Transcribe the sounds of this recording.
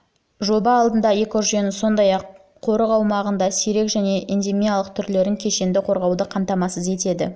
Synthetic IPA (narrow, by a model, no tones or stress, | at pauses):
ʒo̞bɑːlˠd̪ənd̪ɑekoʒenɪso̞nd̪ɑjɑqʰː | o̞ɾəʁɑwmɑʁənd̪ɑsiɾe̞kʒæne̞ʔind̪emijalˠəq̚t̪ʰʏɾle̞ɾɪŋkʲʰe̞ʃend̪ɪqʰo̞ɾʁɑwd̪əqʰɑmt̪ɑmɑsəze̞t̪e̞d̪ɪ̰